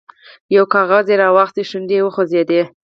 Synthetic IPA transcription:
jawkɑɣɑzeɾɑwɑxt̪eʃund̪ewəxozed̪e

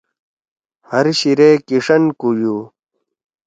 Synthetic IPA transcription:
hɐɾɕiɾeːkiʂɐnkuju

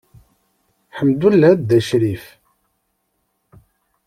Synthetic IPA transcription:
ħəmd̪ulːæd̪ːæʃɾif

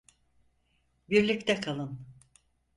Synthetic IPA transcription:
biɾlʲict̪ʰɛkʰalˠɯn

